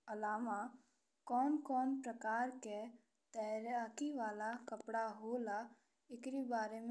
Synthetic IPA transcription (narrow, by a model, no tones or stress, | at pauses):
əlaːma | kɔːnkɔːnpɾəkaːɾke | t̪ɛɾaːkiʋaːlakəpɽaɦoːla | ɪkɾibaːɾem